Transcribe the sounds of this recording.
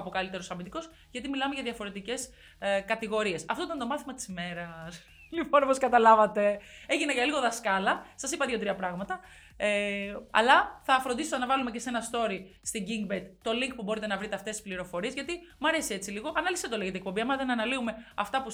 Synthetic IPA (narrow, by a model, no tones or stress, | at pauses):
ɐpokɐlit̪e̞ɾosɐmint̪iko̞s | ʝɐt̪̬imilɐme̞ʝɐðʝɐfo̞ɾe̞t̪ice̞s | kɐt̪iɣo̞ɾie̞sɐft̪o̞it̪ɐnt̪omɐθimɐt̪i̥sime̞ɾɐs | lipo̞noposkɐt̪ɐlɐvɐt̪e̞eʝinɐʝɐliɣo̞ðɐskɐlɐsɐsipɐðjiot̪ɾiɐpɾɐɣmɐt̪ɐ | eɐ̰lɐθɐfɾo̞nd̪isosɐnɐvɐlume̞ce̞se̞nɐst̪o̞ɾist̪iɲɟiŋɡbet̪t̪o̞liŋk̚pubo̞ɾit̪e̞nɐvɾit̪eɐft̪esi̥spliɾo̞fo̞ɾie̞zʝɐt̪i | mɐɾe̞sie̞t͡siliɣo̞ʔɐnɐlisðd̪oleʝet̪ek̚pobiɐmɐðenɐnɐliume̞ɐ̰ft̪ɐpu